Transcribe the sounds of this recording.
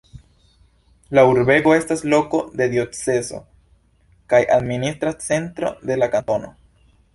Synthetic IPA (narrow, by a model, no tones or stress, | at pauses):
lauɾbe̞ɡo̞e̞staslo̞ko̞d̪e̞d̪io̞t͡se̞zo̞̰ | kajʔa̰d̪ministɾat͡se̞ntɾo̞̰d̪e̞lakantono̞̰